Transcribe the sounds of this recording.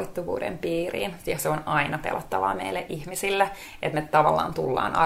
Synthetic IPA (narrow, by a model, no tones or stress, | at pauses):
it̪ːuʋṵːdḛmpiːrḭːnjɑseonɑinɑpḛlʔot̪ːɑʋɑ̰ːmeilːeʔihmisilːæ | ʔet̪mett̪ɑʋɑlːɑ̰ːnt̪ulːɑ̰ːnɑ